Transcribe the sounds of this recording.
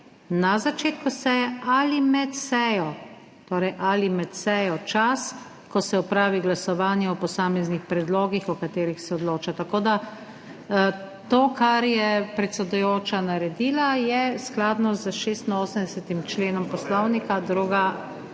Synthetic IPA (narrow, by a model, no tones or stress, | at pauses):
nazat͡ʃeːt̪kusɛjɛalimɛt̪sɛjɔ | t̪oːɾɛjʔalimɛt̪sɛjɔt͡ʃas | kɔsɛɔpɾaːʋiɡlasɔʋaːnjɛɔpɔsaːmɛznixpɾɛd̪loːɡixɔkat̪eːɾixsɛɔd̪loːt͡ʃat̪akoːd̪a | t̪oːkaɾjɛpɾɛt̪sɛd̪ujoːt͡ʃanaɾɛd̪iːlajɛsklaːd̪nɔzəʃest̪inoːsəmd̪ɛsɛt̪imt͡ʃleːnɔmpɔslɔwnikad̪ɾuːɡa